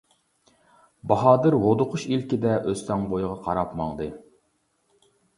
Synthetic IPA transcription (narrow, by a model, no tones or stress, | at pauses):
bɑɦɑːd̪ɨɾwod̪ʊqʰʊʃilkʲɪd̪ɛʔøst̪ɛŋbojʁɑqʰɑɾɑpmɑ̰ŋd̪ɨ